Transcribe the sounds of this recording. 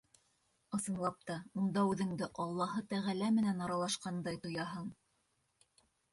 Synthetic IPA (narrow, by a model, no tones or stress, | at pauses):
ɤ̆sɤ̆nlˠɑp̚t̪ɑund̪ɑʉðɘ̆ŋd̪ɘʔɑlˠːɑhɤt̪æʁælæmɘ̆nænɑɾɑlˠɑʃqɑnd̪ɑjt̪ŏjɑɦɤɴ